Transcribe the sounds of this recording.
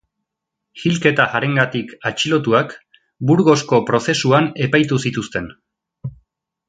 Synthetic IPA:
xilke̞t̪aaɾe̞ŋɡat̪ikat͡ʃilo̞t̪̬uak | buɾɣo̞sko̞pɾo̞se̞suane̞pajt̪usit̪ust̪e̞n

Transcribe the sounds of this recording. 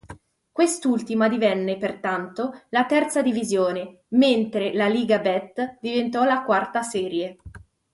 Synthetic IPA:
kwest̪ult̪imad̪ivɛnːepert̪ant̪olat̪ɛrt̪sad̪ivizjoːne | ment̪ɾelaliːɡabɛt̪ːd̪ivent̪ɔlakwart̪asɛːɾje

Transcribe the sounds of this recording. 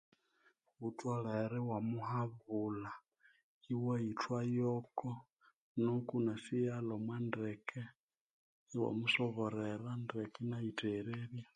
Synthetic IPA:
utʼwɔɺɛɾɛwamuhaβula | iwaitʰwajɔkɔ | nukunasijalɔmwandɛkɛ | iwa̰musɔβɔɾɛɾandɛkʼɛnaitʰʼɛɾeβja

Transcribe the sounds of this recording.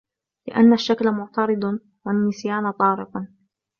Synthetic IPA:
lɪ̰ʔanːaʃːaklamʊʕt̪ɑɾɨd̪ˤ | wanːɪsjaːnt̪ˤɑːɾɪq

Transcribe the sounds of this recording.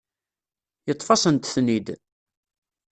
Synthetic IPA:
jət̪ˤːfɑsənt̪θnid̪

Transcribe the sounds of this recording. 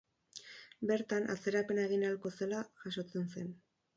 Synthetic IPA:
be̞ɾt̪anʔa̰t͡se̞ɾape̞ne̞ɣ̞inalko̞se̞laʝaʃo̞t͡se̞nse̞n

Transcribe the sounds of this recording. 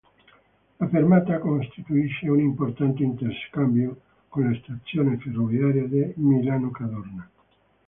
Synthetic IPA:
afeɾmat̪akonst̪it̪uiʃeunimpoɾt̪ant̪eint̪eɾskambjo | kõnlaest̪at͡sjoneferoβjaɾjaðemilanokaðoɾna

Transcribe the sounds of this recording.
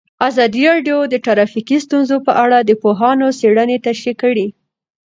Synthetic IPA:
azɑd̪iɾɑɖjod̪əʈaɾɑfikist̪unzopəʔaɽad̪əpoɦɑnoseɽənet̪aʃekəɽi

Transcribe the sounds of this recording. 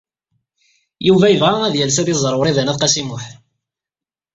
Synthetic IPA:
juvæjəvʁææðjælsæðizˤəɾˤwɾˤiðænæθqɑsimʊħ

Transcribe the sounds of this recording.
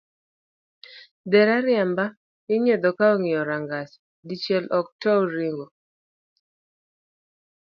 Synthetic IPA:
dɛɾaɾɪjamba | ɪɲed̪ɔkaoŋɪjɔɾaŋɡas | dit͡ʃjɛlʔɔk̚tɔoɾiŋɡo

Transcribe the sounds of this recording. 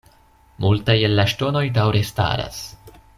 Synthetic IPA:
multaje̞lːaʃto̞no̞jdawɾe̞sta̰ɾa̰s

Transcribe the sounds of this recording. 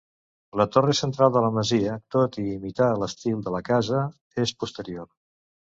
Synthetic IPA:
lət̪oresənt̪ɾalˠd̪ələməziət̪ot̪iːmit̪aələst̪ilˠd̪ələkazə | espust̪əɾioɾ

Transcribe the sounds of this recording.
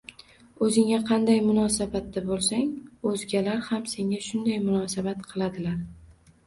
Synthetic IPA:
ɵzɪŋʲaqʰɑnd̪ajmʊnɒsabat̪ːabolˠsaŋɵzɡʲalaɾhamse̞ŋʲaʃʊnd̪ajmʊnɒsabat̪qʰɨlˠad̪ɪlaɾ

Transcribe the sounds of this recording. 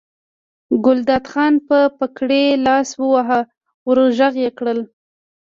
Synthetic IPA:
ɡʊld̪ɑt̪xɑnpəpakɽelɑswəwaɦa | wəɾʒaɣjekɽəl

